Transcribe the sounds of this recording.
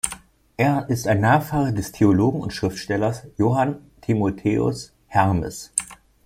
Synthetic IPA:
ʔeːɐʔɪstaɪnːaːfaːʁɐdɛstʰeoloːɡŋ̩ʊ̰ntʃʁ̥ɪftʃtɛlɐsjoːɦantʰimotʰeːʊ̰s | hɛʁmə̰s

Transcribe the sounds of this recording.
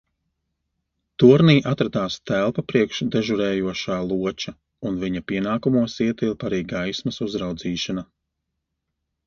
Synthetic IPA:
t̪uɔɾniːʔat̪ɾad̪aːst̪ælˠpapɾiɛkʃd̪ɛʒuɾɛːjuɔʃaːlˠuɔt͡ʃa | unviɲapiɛnaːkumuɔsiɛt̪ilˠpaɾiːɡajsmɐsuzɾawd̪ziːʃana

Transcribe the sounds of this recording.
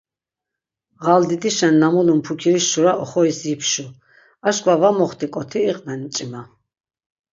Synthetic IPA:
ʁald̪id̪iʃɛnːamulumpʰukʰiɾiʃʃuɾaɔχɔisipʰʃu | aʃkʼvavamɔχt̪ʰikʼɔt̪ʰiːqʼnɛnit͡ʃʼima

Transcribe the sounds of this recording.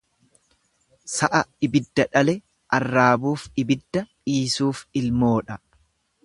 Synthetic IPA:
sɐʔɐɪbɪd̪ːɐᶑɐlɛ | ʔɐrːaːbuːfɪbɪd̪ːɐ | iːsuːfɪlmo̞ːᶑɐ

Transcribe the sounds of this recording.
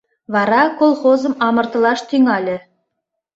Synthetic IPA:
βɑɾɑkolˠχozɤ̆mɑmɤ̆rt̪ɤ̆lˠɑʃt̪yŋɑlʲɘ̆

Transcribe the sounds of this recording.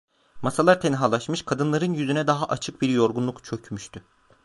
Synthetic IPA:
masalˠaɾt̪ʰɛnɦalˠaʃmɯʃkʰad̪ɯnlˠaɾɯnjyzynɛd̪aɦaʔat͡ʃʰɯk̚biɾjo̞ɾɡunlˠukt͡ʃʰø̞cʰmyʃt̪ʰy

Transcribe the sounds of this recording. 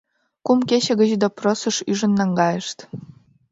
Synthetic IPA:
kumkeɕĕɣə̆ʑd̪oprosə̆ʃyʒə̆nːɑŋɡɑjə̆ʃt̪

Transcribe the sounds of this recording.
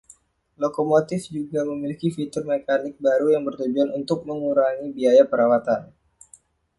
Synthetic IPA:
lokomot̪ɪfd͡ʒuɡaməmilikifit̪ʊrmekanɪk̚baɾujaŋbərt̪ud͡ʒuanunt̪ʊk̚məŋuɾaŋibiajapəɾawat̪an

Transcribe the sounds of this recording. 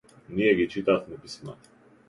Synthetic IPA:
nijɛɡit͡ʃit̪aːt̪nɛpisna̰t̪

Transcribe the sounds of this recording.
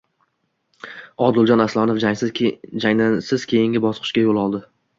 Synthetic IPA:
ɒd̪ɪlˠd͡ʒɒnaslˠɒnofad͡ʒaŋd̪ansɪz̥kʲʰe̞jɪŋɡʲɪbɒsqʰɨ̥ʃkʲajolˠɒlˠd̪ɪ

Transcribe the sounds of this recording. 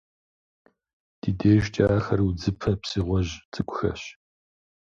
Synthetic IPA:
d̥ideːʒt͡ʃʼaːxɐrwud͡zɨpʰɐpsiːʁʷɔʑt͡sʼɨkʷʼʊxɐ̰ɕ

